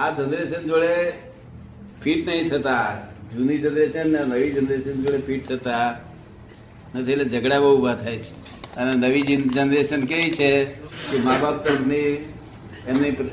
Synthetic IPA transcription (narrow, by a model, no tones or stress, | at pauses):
ad͡ʒənd̪ɾesənd͡ʒoɭe | pʰiʈnəɦĩt̪ʰət̪ad͡ʒunid͡ʒənɾeʃənːanəʋid͡ʒənd̪ɾeʃənd͡ʒoɭepʰiʈ̚t̪ʰət̪a | net̪ʰəeled͡ʒəɡɽaʋəɦubʱat̪ʰajt͡ʃʰe̥ | ənenəʋid͡ʒd͡ʒənd̪ɾeʃənkeʋit͡ʃʰekemabap̚t̪əɾəpʰni | emnip